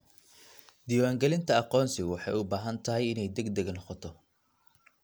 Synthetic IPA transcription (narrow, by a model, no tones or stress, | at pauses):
d̪iːwaːŋɡɛlɪnt̪ʰɐɑqɔːnsɪɣʊwɑħɑjʊbaːɦɐnt̪ʰɐɦɛjɪnɛjd̪ɛɡd̪ɛɡɐnɔqɔt̪ʰɔ